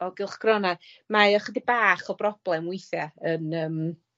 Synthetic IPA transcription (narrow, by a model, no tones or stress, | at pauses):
ɔɡɪlˠχɡ̥rɔna | maɔχədibaːχɔbrɔb̥lˠɛmwʊɨθjaənəːm